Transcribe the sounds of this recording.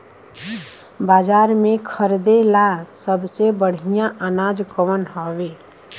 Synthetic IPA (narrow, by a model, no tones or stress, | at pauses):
bad͡ʒaɾmẽkʰəɾd̪elasəbsebəɽ̤ijãʔənad͡ʒkəʋənɦɔʋe